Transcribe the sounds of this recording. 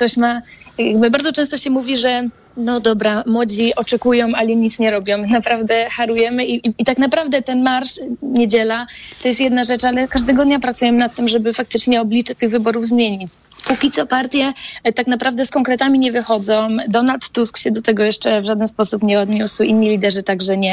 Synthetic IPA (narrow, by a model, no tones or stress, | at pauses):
kt̪ɔɕmajaɡbɘbaɾd̪ɔt͡ʂɛ̃st̪ɔɕɛmuvʲiʐɛ | nɔd̪ɔbɾamwɔd͡ʑiɔt͡ʂɛkujɔ̃w̃aliɲit̪sɲɛɾɔbʲjɔ̃w̃napɾavd̪ɛxaɾujɛmɘiːt̪aknapɾavd̪ɛt̪ɛnmaɾʂɲed͡ʑɛlat̪ɔjɛst̪jɛd̪naʐɛt͡ʂalɛkaʐd̪ɛɡɔd̪ɲapɾat̪sujɛmɘnat̪ːɘmʐɛbɘfak̚t̪ɘt͡ʂɲɛɔblʲit͡ʂɛt̪ɘɣvɘbɔɾuvzmʲjeɲit͡ɕ | pukʲit̪sɔpaɾt̪ʲjɛt̪aknapɾavd̪ɛskɔŋkɾɛt̪amʲiɲɛvɘxɔd̪zɔ̃d̪ɔnalt̪ːuskɕɛd̪ɔt̪ɛɡɔjɛʂt͡ʂɛvʐad̪ɛnspɔsupɲɛɔd̪ɲuswinːilʲid̪ɛʐɘt̪aɡʐɛɲɛ